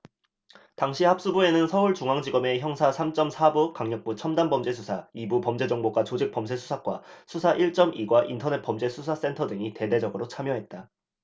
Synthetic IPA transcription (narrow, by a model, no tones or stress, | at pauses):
taŋɕʰihap̚s͈ubue̞nɯnsʰʌuɭt͡ɕuŋaŋd͡ʑiɡʌme̞çjʌŋsʰasʰamt͡ɕ͈ʌmsʰabukaŋɲʌk̚p͈ut͡ɕʰʌmdanbʌmd͡ʑe̞sʰusʰaibupʌmd͡ʑe̞d͡ʑʌŋboɡwat͡ɕod͡ʑik̚p͈ʌms̬ʰe̞sʰu̥sʰak͈wasʰusʰaʔiɭt͡ɕ͈ʌmʔiɡwaʔintʰʌne̞t̚p͈ʌmd͡ʑe̞sʰusʰas͈e̞ntʰʌdɯŋite̞de̞d͡ʑʌɡɯɾot͡ɕʰamjʌɦe̞t̚t͈a